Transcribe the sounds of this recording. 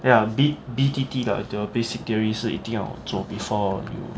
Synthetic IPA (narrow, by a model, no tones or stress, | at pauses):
jabibit̪it̪ila̰dəbesik̚t̪iəɹisiḭt̪ĩŋa̰d͡zobifɔjṵ